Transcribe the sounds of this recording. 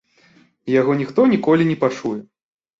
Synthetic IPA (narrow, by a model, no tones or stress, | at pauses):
jaɣɔnʲixt̪ɔnʲikɔlʲinʲɛpat͡ʂujɛ